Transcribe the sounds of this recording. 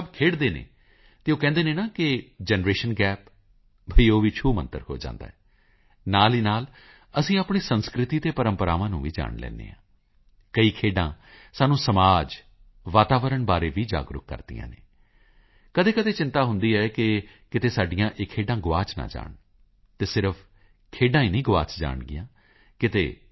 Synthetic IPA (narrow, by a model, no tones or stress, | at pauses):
səbkʰeːɽd̪eːnḛː | t̪eːoːkɛ̃ːnd̪eːneːnaːkɪd͡ʒɛːnɾeːʃənɡɛːp | bʱəiːoːʋiːt͡ʃʰuːmənt̪ə̰ɾho̰ːd͡ʒã̰ːnd̪a̰ːɦɛː | naːliːnaːl | əsĩːaːpɳeːsənskɾɪt̪iːt̪eːpəɾəmpəɾa̰ːʋãːnũːʋiːd͡ʒa̰ːɳlɛ̰ːnd̪ḛːɦãː | kəiːkʰeːɖã̰ː | saːnũːsəmaːd͡ʒ | ʋaːt̪aːʋəɾəɳbaːɾeːʋiːd͡ʒa̰ːɡɾʊ̰kːə̰ɾd̪ḭjã̰ːnḛː | kəd̪eːkəd̪eːt͡ʃɪnt̪aːɦʊnd̪iːɛːkɪkɪt̪eːsaːɖɪjãːʔekʰːeːɖãːɡʊʋaːt͡ʃnã̰ːd͡ʒa̰ːɳ | t̪eːsɪɾəpʰ | kʰeːɖãːiːnĩːɡʊʋaːt͡ʃd͡ʒa̰ːɳɡɪjãː | kɪt̪ḛː